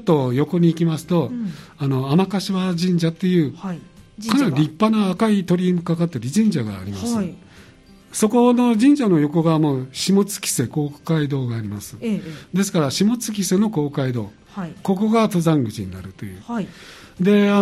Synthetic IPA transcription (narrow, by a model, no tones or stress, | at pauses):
t̪ːo̞jo̞ko̞ɲ̟iːkʲimasɨ̥t̪o̞ano̞amakaɕiβad͡ʑĩɲ̟d͡ʑat̪ːe̞jɯ̟ː | kʰanaiɾʲipːanaːkait̪o̞ɾʲimɯkakat̪ːeɾʲiʑĩɲ̟d͡ʑaɡa̰ːɾʲimasɨ | so̞ko̞no̞d͡ʑĩɲ̟d͡ʑano̞jo̞ko̞ɡamo̞ːɕimo̞t͡sɨ̥kʲi̥se̞ko̞ːkkaid̪o̞ːɡaːɾʲimasɨ̥d̪e̞sɨ̥kaɾaɕimo̞t͡sɨ̥kʲise̞no̞ko̞ːkaid̪o̞̰ː | ko̞ko̞ɡat̪o̞zãŋɡɯ̟t͡ɕiɲ̟ina̰ɾɯ̟t̪o̞jɯ̟ː | d̪e̞a